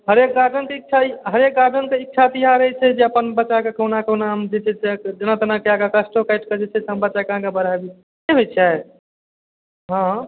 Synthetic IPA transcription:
ɦəɾek̚ɡad͡ʒʱənkeik̚t͡ʃʰaɦəɾek̚ɡad͡ʒənkeikːt͡ʃʰat̪ijaɾəjt͡ʃʰɛd͡ʒeəpənbətːʃakekəɦnakəɦnamd͡ʒɛt͡ʃʰɛt͡ʃed͡ʒənat̪ənakeaɡakəsʈokajʈkəd͡ʒɛt͡ʃʰɛt͡ʃɦəmbətːʃakəɦãkebəɾ̤abi | eɦojt͡ʃʰa | ɦã

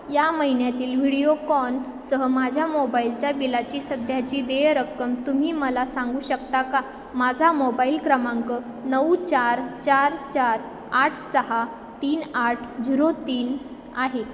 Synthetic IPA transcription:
jaməɦinjat̪iːlʋiɽijokɔn | səɦəmad͡ʑʱjamobailt͡ɕjabilat͡ɕiːsəd̪ʱjat͡ɕiːd̪ejɾəkːəmt̪um̤iːməlasãŋɡuːɕəkt̪aka | mad͡zʱamobailkɾəmãŋkə | nəwt͡ɕaɾt͡ɕaɾt͡ɕaɾ | aʈʰsəɦa | t̪iːnaʈʰd͡ʑiɾot̪iːn | aɦe

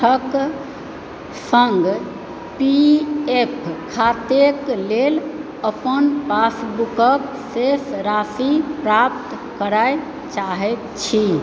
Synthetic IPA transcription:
ək | səŋɡ | piepʰkʰat̪eklel | əpənpasbukək | sesɾasipɾap̚t̪ | kəɾaj | t͡ʃaɦɛt̪t͡ʃʰi

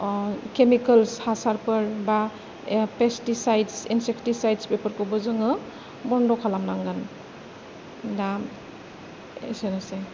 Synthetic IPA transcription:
kemikəlshasaɾpəɾba | pestisajdsḭnsekʰtisajdspepʰəɾkɔbɔzɯŋɯ | bɔndɔkʰalamnaŋɡɯn | da | ḛsenase

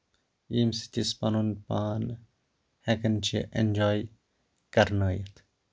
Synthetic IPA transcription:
imsi̥t̪ispɐnunpaːn | hɛkənt͡ʃʰḭʔḛnʲd͡ʒaːj | kɐɾnaːjət̪ʰ

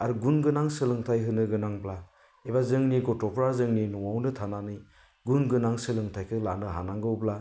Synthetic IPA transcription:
aɾuɡunɡɯnaŋsɯlɯŋtʰajɦɯnɯɡɯnaŋbla | ebazɯŋniɡɔtɔpʰɾazɯŋninɔwawnɯtʰananɯj | ɡunɡɯnaŋsɯlɯŋtʰajkʰɯlanɯɦanaŋɡɯwbla

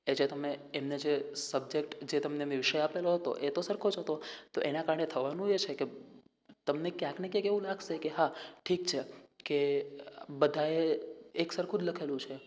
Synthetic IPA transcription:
ed͡ʒet̪əmeemned͡ʒesəb̚d͡ʒekʈd͡ʒet̪əmneʋiʋiʃəjapeloɦət̪o̰ʔet̪osəɾkʰod͡ʒɦət̪ot̪oʔenakaɾəɳet̪ʰəʋanũet͡ʃʰeke | t̪əmnekjãknekjẽkeʋũlaɡʃekeɦaʈʰikt͡ʃʰeke | bəd̪ʱaeːksəɾkʰud͡ʒləkʰelũt͡ʃʰe

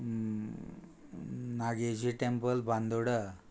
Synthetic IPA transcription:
naɡed͡ʑiʈempəlband̪oɽə

